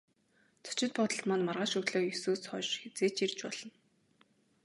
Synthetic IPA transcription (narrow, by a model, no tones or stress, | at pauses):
t͡sʰɔ̥t͡ɕɪ̆t̪̚pɔt̪ə̆ɬt̪manmarʁaːʃɵt̪ɮoːjɵsuːsχɔʃxet͡seːt͡ɕirt͡ɕpɔɮ̥ɞ̆n